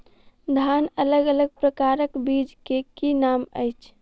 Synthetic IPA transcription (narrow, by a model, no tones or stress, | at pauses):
d̪ʱanələɡələɡ̚pɾəkaɾəkbid͡ʒkekinamə̰jt͡ʃʰ